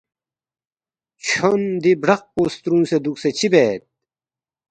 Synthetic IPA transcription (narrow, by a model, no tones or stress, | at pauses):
t͡ɕʰond̪ibɖɐq̚post̪ɾũːsed̪ukset͡ɕʰibeːt̪̚